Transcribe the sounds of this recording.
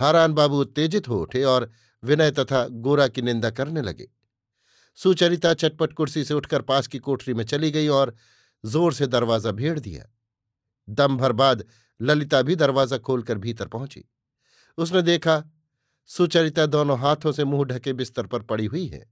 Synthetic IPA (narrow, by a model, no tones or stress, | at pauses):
haːɾaːnbaːbuʊt̪ːeːd͡ʒɪt̪ɦoʊʈʰeɔːɾ | ʋɪnəjt̪ɐt̪ʰaɡoːɾakinɪ̃nd̪akɐɾnelɐ̰ɡḛː | suːt͡ʃəɾɪt̪at͡ʃɐʈ̚pəʈkʊɽsiseʊʈʰkəɾpaːt͡ʃkikoːʈʰɾimẽt͡ʃɐliɡɐiɔːɾ | zoːɾsed̪ɐɾʋaːzabʱeːɽd̪ḭja̰ː | d̪ɐmbʱɐɾbaːd̪ | lɐlɪt̪abʱid̪ɐɾʋaːzakʰoːlkəɾbʱiːt̪əɾpɐɦʊ̃t͡ʃḭ | ʊsned̪eːkʰa | sut͡ʃəɾɪt̪ad̪oːnõɦaːt̪ʰõsemuːɦɖʱɐkebɪst̪əɾpɐɾpɐɽiɦʊiɦɛ̰ː